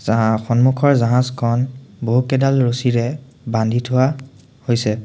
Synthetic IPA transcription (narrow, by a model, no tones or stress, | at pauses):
zaxɔnmukʰɔɹzaɦãzkʰɔnboɦukɛdalɹosiɹɛ | bandʱitʰʊwa | hojsɛ